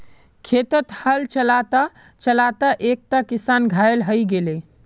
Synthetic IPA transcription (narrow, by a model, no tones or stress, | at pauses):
kʰet̪ət̪həlt͡ʃəlat̪a | t͡ʃəlat̪əʔek̚t̪akisanɡʱaelɦəjɡele